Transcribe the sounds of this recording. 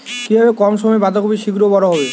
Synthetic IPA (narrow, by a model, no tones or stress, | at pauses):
kibʱɔbekɔmʃɔmɔebad̪ʱɔkubiʃiɡɾobɔɾoɦɔbe